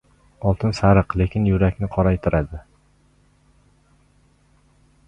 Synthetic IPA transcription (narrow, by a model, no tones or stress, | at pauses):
ɒlˠt̪ʰɪnsaɾɨqle̞kʲʰɪnjʊɾakʲnɪqʰɒɾajt̪ʰɪɾʔad̪ɪ